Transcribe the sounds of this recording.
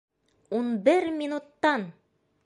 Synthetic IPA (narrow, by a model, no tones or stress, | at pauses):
unbɘɾmʲinut̪ːɑn